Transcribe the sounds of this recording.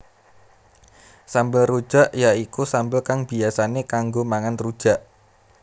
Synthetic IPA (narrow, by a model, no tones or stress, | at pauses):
sambəlrud̥ʒ̥a̤ʔjaikusambəlkaŋbi̤asanekaŋɡomaŋanrud̥ʒ̥a̤ʔ